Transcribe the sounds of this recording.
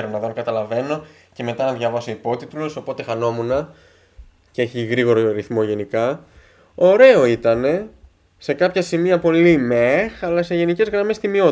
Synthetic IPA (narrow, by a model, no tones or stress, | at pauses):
ɾonɐðokɐt̪ɐlɐve̞no̞ | ce̞me̞t̪ɐnɐðʝɐvɐso̞ipo̞t̪it̪uloso̞po̞t̪e̞xɐno̞munɐ | cee̞çiɣɾiɣo̞ɾoɐɾiθmo̞ʝe̞nikɐ | o̞ɾe̞o̞it̪ɐne̞ | se̞kɐpçɐsimiɐpo̞limexɐlɐse̞ʝe̞nice̞zɣɾɐme̞st̪imio̞